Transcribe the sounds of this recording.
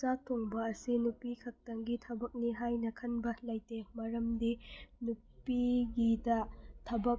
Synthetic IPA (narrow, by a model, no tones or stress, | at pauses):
satʰoŋbɐːsinupikʰɐk̚tɐŋɡitʰɐbɐk̚niɦajnɐkʰɐnbɐlɐjtemɐɾɐmdinupiɡidɐtʰɐbɐk̚